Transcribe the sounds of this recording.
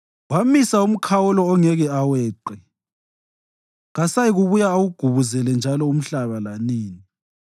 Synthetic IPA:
wamisaum̩kʰawɔlɔːŋɛɣɛawɛːǃɛ | ɣasajiɣuβujaːwuɡ̥ʱuβuzɛlɛnd͡ʒʱalɔum̩ɬaβalaniːni

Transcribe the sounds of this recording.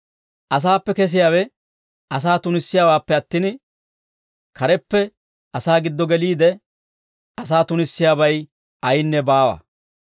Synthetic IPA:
ʔɐs̬aːpːɛkɛs̬ɪjaːwɛ | ʔɐs̬aːt̪ʊnɪsːɪjaːwaːpːɛɐt̪ːiːn | kɐɾɛpːɛ | ɐsaːɡɪd̪ːɔɡɛliːd̪ɛ | ʔɐs̬aːt̪ʊnɪsːɪjaːbɐj | ʔɐjnːɛbaːwɐ̰

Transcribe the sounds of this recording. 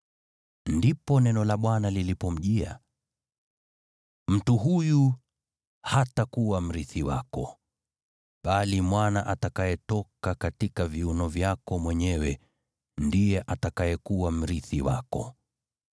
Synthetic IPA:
ndipɔnɛnɔlaɓwanalilipɔm̩ʄia̰ | m̩tuɦuju | hatakuwam̩ɾiθiwa̰kɔ | ɓalimwanaʔatakajɛtɔkakatikaviunɔvjakɔmwɛɲɛwɛ | ndijɛʔatakajɛkuwam̩ɾiθiwa̰kɔ

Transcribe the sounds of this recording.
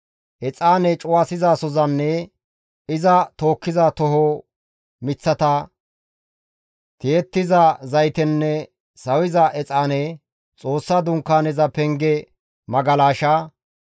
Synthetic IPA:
ʔɛt͡sʼaːnɛt͡ʃʼʊwaːsɪzaːsɔzɐnːɛ | ɪzɐt̪o̞ːkːɪzat̪ɔɦo | mɪt͡sːɐt̪ɐ | t̪eɛt̪ːɪzɐzɐjt̪ɛnːɛ | sɐwɪzɐʔɛt͡sʼaːnɛ | t͡sʼo̞ːsːaːd̪ʊŋkːaːnɛzɐpɛŋɡɛ | mɐɡɐlaːʃaː

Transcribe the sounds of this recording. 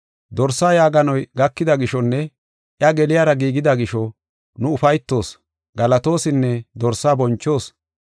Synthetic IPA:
d̪ɔɾsːaːjaːɡɐnɔjɡɐkːɪd̪ɐɡɪʃɔnːɛ | ʔjɐɡɛlɪjaːɾɐɡiːɡɪd̪ɐɡɪʃɔ | nʊʊfɐjt̪ːo̞ːs | ɡɐlɐt̪o̞ːsɪnːɛd̪ɔɾsːaːbɔnt͡ʃːo̞ːs

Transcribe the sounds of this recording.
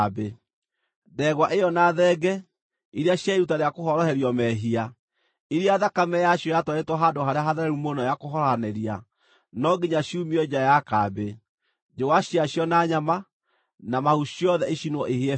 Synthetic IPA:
be | dɛɣwaʔejɔnaðɛɡɛ | iɾeaɕjaeɾutaɾeakoɦɔɾɔhɛɾiɔmɛɦia | iɾiaðakamɛjaʃjɔjatwaetwɔɦadoɦaɾeaɦaðɛɾɛɾumonɔjakoɦɔɾɔanɛɾia | nɔɡiɲaʃiumiɔd͡ʒajakabe | d͡ʒowaɕiaɕjɔnaɲama | namahuɕiɔðɛeʃinwɔʔeɦeɛ

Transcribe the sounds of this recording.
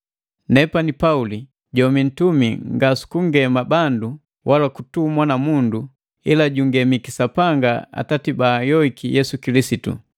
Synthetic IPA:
nɛpanipauli | ɟɔmin̩tumiŋɡasu̥kuŋɡɛmabandu | wʔalakutumwanamundu | ilaɟuŋɡɛmikisapaŋɡaa̰tatibaːjɔikijɛsukilisitṵ

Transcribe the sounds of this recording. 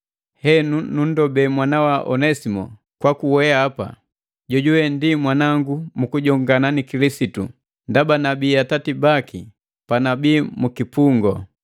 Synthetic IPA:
hɛnunun̩dɔbɛmwanawaʔɔ̰nɛsimɔ̰ | kwakuwɛaːpa̰ | ɟɔɟuwɛndimwanaŋɡumukuɟɔŋɡananikilisitṵ | ndabanabiːjatatibaki | panabiːmukipuŋɡɔ

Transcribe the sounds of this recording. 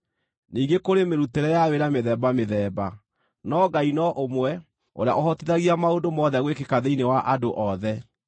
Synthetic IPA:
niːɡekoɾemeɾuteɾɛjaweɾameðɛːbameðɛːba | nɔɡainɔʔomwɛ | o̰ɾea̰ʔɔɦɔtiðaɣiamaodomɔðɛɣwekekaðeinewaʔadoʔɔðɛ

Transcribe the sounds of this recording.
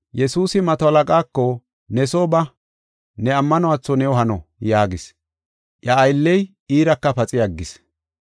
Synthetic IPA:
jɛsuːsɪmɐt̪ɔɐlɐkʼaːkːɔ | nɛsoːbɐ | nɛɐmːɐnɔwaːt͡sːɔnɛwɔɦɐnɔjaːɡɪs | ʔjɐːjlːɛj | iːɾɐkːɐpɐt͡sʼɪjɐɡːɪs

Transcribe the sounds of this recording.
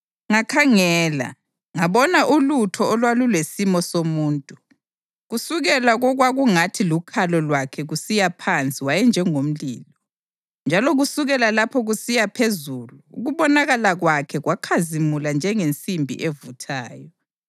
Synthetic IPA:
ŋakʰaŋɛːla̰ | ŋaβɔnaʔulutʰɔːlwalulwesimɔsomuːntʼu | ɣusuɣɛlaɣɔɣwaɣuŋatʰilukʰalɔlwakʰɛɣusijapʰant͡sʼiwajɛnd͡ʒʱɛŋom̩liːlɔ | nd͡ʒʱalɔɣusuɣɛlalapʰɔɣusijapʰezuluṵɣuβɔnaɣalaɣwakʰɛɣwakʰazimuland͡ʒʱɛŋent͡sʼimbʱḭʔevutʰaːjɔ

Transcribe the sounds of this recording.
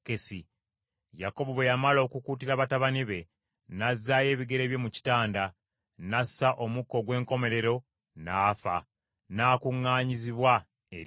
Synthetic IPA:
kesi | jako̞βoβo̞jamalo̞ːkukuːtiɾaβataβaniβe̞ | nazːaje̞ːβiɡe̞ɾe̞ːβjo̞muci̥taːnda | nasaʔo̞mukːo̞ɡwe̞ːŋko̞me̞ɾe̞ɾo̞ | naːfa̰ | naːkuŋːaːɲiziβwa | e

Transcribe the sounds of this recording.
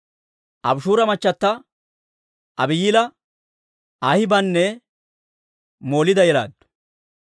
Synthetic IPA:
ʔɐ̰bʃuːɾɐmɐt͡ʃːɐt̪ːɐ | ʔɐbɪjiːlɐ | ahɪbɐnːɛ | mo̞ːlɪd̪ɐjɛla̰ːd̪ːʊ̥

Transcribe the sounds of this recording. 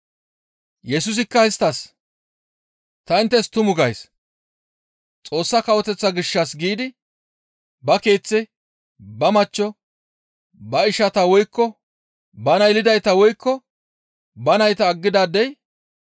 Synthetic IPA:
jɛsʊs̬ɪkːɐhɪst̪ːɐs | t̪ɐɪnt̪ːɛst̪ʊmʊɡɐjs | t͡sʼo̞ːsːɐkɐwɔt̪ɛt͡sːɐɡɪʃːɐsɡiːd̪ɪ | bɐke̞ːt͡sːɪ | bɐmɐt͡ʃːɔ | bɐɪʃɐt̪ɐwɔjkːɔ | bɐnɐɪlɪd̪ɐjt̪ɐwɔjkːɔ | bɐnɐjt̪ɐːɡːɪd̪aːd̪ɛj

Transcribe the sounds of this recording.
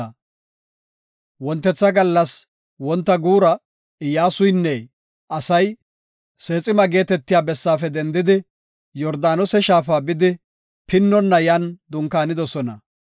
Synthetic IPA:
wɔnt̪ːɛt͡sːɐɡɐlːɐs | wɔnt̪ːɐɡuːɾɐ | ɪjaːsʊjnːɛ | ʔɐsɐj | se̞ːt͡sʼɪmɐɡe̞ːt̪ɛt̪ːɪjaːbɛsːaːfɛd̪ɛnd̪ɪd̪ɪ | jɔɾd̪aːnɔsɛʃaːfaːbɪd̪ɪ | pɪnːɔnːɐjand̪ʊŋkaːnɪd̪ɔsɔnɐ

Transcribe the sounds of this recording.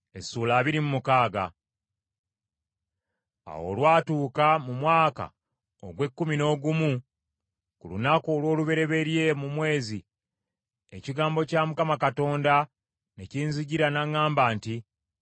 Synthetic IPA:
e̞suːlaːβiɾimumukaːɡa̰ | a̰wo̞̰lwaːtuːkamumwaːka̰ | o̰ɡwe̞kːumino̞ːɡumu | kulṵnakoːlwo̞ːluβe̞ɾe̞βe̞ɾje̞mumwe̞ːzi | ḛciɡaːmbo̞camukamakato̞ːnda | ne̞ciːnziɟiɾanaŋːaːmbaːnti

